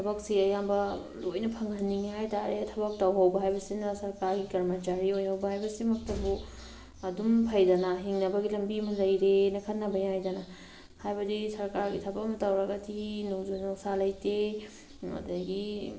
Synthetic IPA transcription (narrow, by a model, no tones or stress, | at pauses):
tʰɐbɐksiɐjambɐ | lojnɐpʰɐŋɐnːiŋiɦajtaɾetʰɐbɐk̚tawɦawbɐɦajbɐsinɐsɐɾkaɾɡikɐɾmɐt͡ʃaɾiojhawbɐhajbɐsimɐk̚tɐbu | ɐdumpʰɐjdɐnɐɦiŋnɐbɐɡilɐmbimɐlɐjɾenɐkʰɐtnːɐbɐjajdɐnɐ | hajbɐdisɐɾkaɾɡitʰɐbɐkmɐtawɾɐɡɐtʰinozonowsalɐjte | mɐ̰dɐɡi